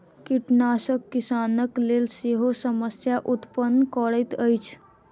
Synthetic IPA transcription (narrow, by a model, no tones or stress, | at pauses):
kiʈnasəkːisanəklelseɦosəməsjaʔut̪pənːəkəɽəjt̪əjt͡ʃʰ